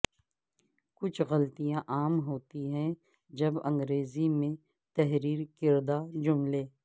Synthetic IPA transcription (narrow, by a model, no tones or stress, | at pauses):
kʊt͡ʃʰɣɐlt̪ijãʔaːmɦoːt̪iɦɛ̃ | d͡ʒɐbɐ̃ŋɡɾeːzimẽ | t̪ɛɦɾiːɾkɪɾd̪ad͡ʒʊmleː